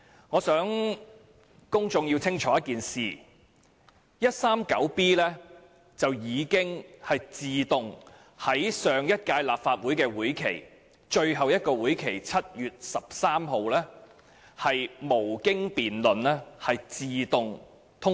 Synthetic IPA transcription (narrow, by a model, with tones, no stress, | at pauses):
ŋɔː˨˧sœː˨˥ŋ | kʊ˥ŋt͡sʊ˧ŋji˧wt͡sʰɪ˥ŋt͡ʃʰɔː˨˥jɐ˥tkiː˨nsiː˨˩ | jɐ˥t̚saː˥mkɐ˨˥wpiː˥lɛː˥ | t͡sɐ˨wjiː˨˧kɪ˥ŋhɐ˨jt͡siː˨t̪ʊ˨ŋ | hɐ˨˥jsœː˨ŋjɐ˥t̚kaː˧jlaː˨p̚faː˧t̚wuː˨˥jkɛː˧wuː˨˥jkʰe˨˩j | t͡ʃɵ˧ɥɦɐ˨wjɐ˥t̚kɔː˧wuː˨˥jkʰe˨˩jt͡sʰɐ˥t̚jyː˨t̚sɐ˨p̚saː˥mɦo˨wlɛː˥ | hɐ˨jmo˨˩wkɪ˥ŋpiː˨nlɵ˨nlɛː˥hɐ˨jt͡siː˨t̪ʊ˨ŋ | t̪ʰʊ˥